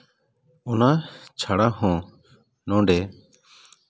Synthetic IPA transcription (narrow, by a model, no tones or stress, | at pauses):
ɔnat͡ʃʰaɽahɔ̃ | nɔ̃ɖɛ